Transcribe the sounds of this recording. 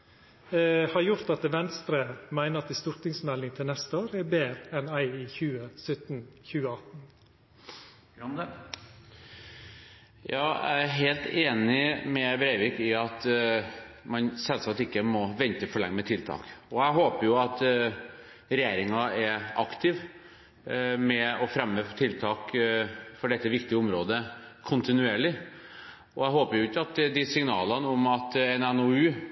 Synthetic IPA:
hɑɾjʊɾt̪ɑt̪ʋɛnst̪ɾəmæɪnəɾɑt̪əst̪ʊɾt̪ɪŋsmɛlːɪŋt̪ʰɪlnɛst̪əoːɾəɛbeːɾəɛnæɪiçʉːəsœt̪n̩çʉːəɑt̪n̩ | jɑːæ̰æɦeːlt̪eːnɪmɛbɾæɪʋɪkɪɑt̪ | mɑnsɛlsɑt̪ɪkːəmɔʋɛnt̪əfɔɭɛ̰ŋːəmɛt̪ʰɪlt̪ʰɑ̰ːkɔæɦoːpəɾjʊɑt̪ | ɾɛjeːɾɪŋɑɛɾɑkt̪ʰɪʋ | mɛɔfɾɛmːøːft̪ʰɪlt̪ʰɑːk | fɔɖɛt̪ːəʋɪkt̪ɪəʊmɾoːd̪əkʰʊnt̪ɪnʉeːɭɪ | ɔæɪɦoːpəɾjʊɪkːəɑt̪d̪ɪsɪŋnɑːlɑnəɔmɑt̪ɛnɛnɔʉː

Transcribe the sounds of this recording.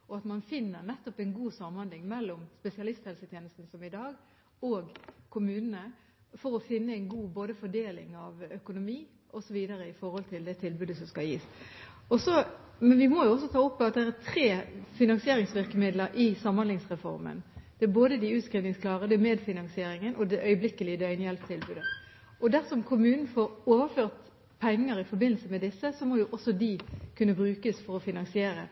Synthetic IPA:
ɔɑt̪mɑnfɪnːəɾnɛt̪ːɔpæɪnɡuːsɑmhɑnlɪŋmɛlːɔmspɛsɪɑlɪst̪hɛlsət̪ʰjeːnəst̪n̩sɔmɪd̪ɑːɡ | ɔːɡkʰʊmʉːnənə | fɔɾɔfɪnːəæɪnɡuːboːd̪əfɔɖeːlɪ̰ŋɑʋœkʊnʊmiː | ʔɔsɔʋiːd̪əɾəɪfɔɾhɔlt̪ʰɪld̪ɛt̪ʰɪlbʉːd̪əsɔmskɑljiːs | ɔsɔ | mɛnʋɪmɔjʊɔs̬ːɔt̪ʰɑːʊpːɔɑt̪̚d̪ɛæt̪ʰɾeːfɪnɑnsɪeːʁɪŋsʋɪʁkəmɪd̪ləɾʔɪsɑmɑnlɪŋsʁɛfɔ̰ʁmə̰nd̪̥ɛæboːd̪əd̪ɪʉːt̪kɾʏnɪŋskʰlɑːʁəd̪ɛmeːd̪fɪnɑnsɪeːɾɪŋənʔɔd̪ɛʔœʏəblɪkəlɪd̪ɛœʏnjɛlpt̪ʰɪlbʉːd̪ə | ʔɔd̪æʁsɔmkʰʊmʉːnn̩foːɾoːʋəføːʁt̪ | pʰɛŋːəɾɪfɔɾbɪnl̩səmɛd̪ɪsːəsɔmɔjʊʔɔsːɔd̪ɪkʰʉnːəbɾʉːkəsfɔʁɔfɪnɑnsɪeːɾə

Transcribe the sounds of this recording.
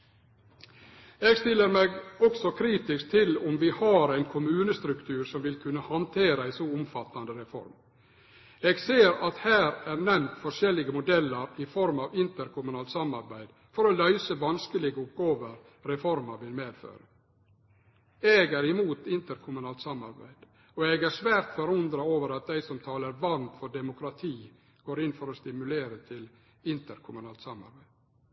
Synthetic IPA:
eːɡst̪ɪlːəɾmeɡɔksɔkʰɾiːt̪ɪsk̚t̪ʰɪlʊmʋɪːhɑɾæɪnkʰʊmʉːnəst̪ɾʉkt̪ʰʉːɾsɔmʋɪlkʰʉnːəhɑnt̪ʰeːɾəɪsoːʊmfɑt̪ːɑnd̪əɾɛfɔ̰ɾm | eːɡseːɾɑt̪hæːɾæːɾnɛmt̪fɔʂɛlɪɡəmʊd̪ɛlːəɾɪfɔɾmɑːʋɪnt̪əɾkʰʊmʉnɑːlt̪sɑmɑɾbæɪd̪ | fɔɾɔlœʏsəʋɑnskəlɪɡəʊp̚ɡɑːʋəɾ | ɾɛfɔɾməɾʋɪlmeːd̪fø̰ːɾə | eɡæːɾɪmuːt̪ɪnt̪əɾkʰʊmʉnɑːlt̪sɑmɑ̰ɾbæ̰ɪd̪̥ | ɔɛɡæɾʂʋæːɾt̪fɔɾʊnd̪ɾɑoːʋəɾɑt̪̚d̪æɪsɔmt̪ʰɑːləɾʋɑnt̪fɔɖɛmʊkɾɑt̪ʰiː | ɡ̥oːɾɪnfɔɾɔst̪ɪmʉleːɾət̪ʰɪl | ɪnt̪əɾkʰʊmʉnɑːlt̪sɑmɑ̰ɾbæɪd̪̥

